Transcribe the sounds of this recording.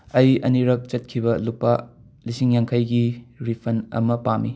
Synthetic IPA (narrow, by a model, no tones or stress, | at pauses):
ɐjɐniɾɐk̚t͡ʃɐt̚kʰibɐlupːa | lisiŋjaŋkʰɐjɡiɾipʰɐnɐ̰mɐpami